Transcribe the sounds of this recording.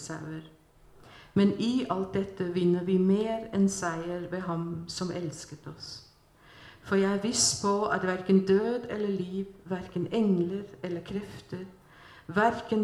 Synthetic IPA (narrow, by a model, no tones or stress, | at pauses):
sɑʉəɾ | mɛniːʔɑlt̪̚d̪ɛt̪ːəʋɪnːəʋɪmeːɾɛnsæɪəɾʋeːɦɑmsɔmʔɛlskət̪ʰɔs | fɔɾjæɪæɾʋiːspʰɔɑ̰t̪ʋæɾkənd̪øːd̪ɛlːəɭiːʋʋæɾkənɛŋləɾɛlːəkʰɾɛft̪əɾ | ʋæɾkən